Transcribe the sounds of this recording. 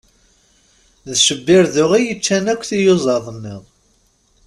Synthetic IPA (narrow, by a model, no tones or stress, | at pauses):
ðʃəbːɪɾðʊʁijət͡ʃːænækʷːθijʊzˤɑðˤənːɪʁˤ